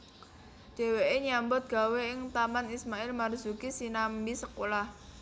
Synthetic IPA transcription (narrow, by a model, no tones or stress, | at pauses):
d̪̥e̤weʔeɲambʊt̪̚ɡ̥a̤weɪŋt̪amanismaɪlmarz̥ukisinambisəkolah